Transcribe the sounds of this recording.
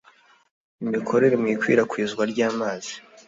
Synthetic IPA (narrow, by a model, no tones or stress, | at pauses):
imikʰo̞ɾe̞ɾemŋiːkwḭːɾakwizɡwaɾɟaːmaːz̥i̥